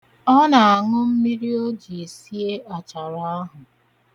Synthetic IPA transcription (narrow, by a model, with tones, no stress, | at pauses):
ɔ˦na˨a˨ŋʊ˦m̩˦mi˦ɾi˦o˦d͡ʒi˨e˨si˦e˦ʔa˨t͡ʃa˨ɾa˦a˦ɦʊ˨